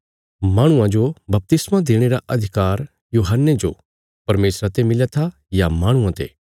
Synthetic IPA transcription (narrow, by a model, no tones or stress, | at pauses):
maːɽ̃ʊ̃ãd͡ʒobɐp̚t̪ɪsmãd̪eːɽ̃eɾaʔɐd̪ʱɪkaːɾ | juːɦənːed͡ʒo̰ | pɐɾmeːsɾat̪emɪljat̪ʰa | jamaːɽ̃ʊãt̪ḛː